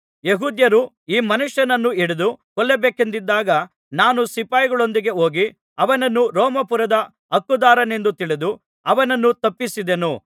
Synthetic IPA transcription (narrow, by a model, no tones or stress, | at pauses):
jeɦuːd̪jɐɾu | iːmɐnuʂjɐnɐnːuiɽud̪ukɔlːebeːkend̪id̪ːaːɡɐ | naːnusipaːjɡɐɭo̞nd̪iɡe̞oːɡi | ɐʋɐnɐnːuɾɔːmɐpuɾɐd̪ɐ | ɐkːud̪aːɾɐne̞nd̪ut̪iɭed̪u | ɐʋɐnɐnːut̪ɐpːisid̪enu